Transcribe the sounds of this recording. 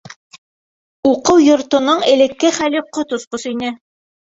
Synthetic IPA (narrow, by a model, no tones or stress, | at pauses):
uqɤwjŏɾt̪ŏnoɴɘ̆lɘ̆kːɘχæliqot̪ŏsqosinɘ